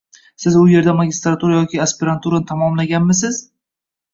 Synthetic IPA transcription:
sɪzʊje̞ɾd̪amaɡʲɪst̪ɾat̪ʰuɾajɒkʲʰɪaspɪɾant̪ʰuɾat̪ʰamɒmlaɡʲanmɪsɪz̥

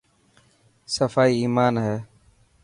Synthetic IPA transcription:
səfaːiːiːmaːnɦɛː

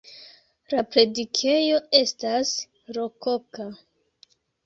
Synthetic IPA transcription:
lapɾe̞dikʰe̞jo̞e̞stas | ɾo̞ko̞ka

